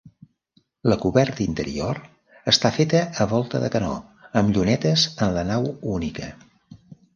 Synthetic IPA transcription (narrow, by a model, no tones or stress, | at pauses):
ləkuβɛɾt̪əint̪əɾḭoɾ | əst̪afet̪əːβɔlˠt̪əðə̰kənɔ̰əmʎunɛt̪əzənlənawunikə